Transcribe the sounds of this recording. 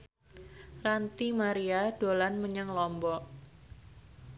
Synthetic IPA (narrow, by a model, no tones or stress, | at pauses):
rant̪imaɾiad̥olanməɲaŋlɔmbɔʔ